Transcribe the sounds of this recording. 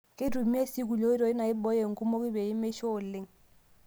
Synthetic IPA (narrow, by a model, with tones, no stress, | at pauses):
ke˦tu˨mi˦e˦si˦k̬u˨lo˦i˦ɾɔ˨i˦na˨i˦bɔ˦je˨ŋ̩˨ku˦mo˦ki˦be˨i˦me˦ʃɔ˦˨le˦ŋ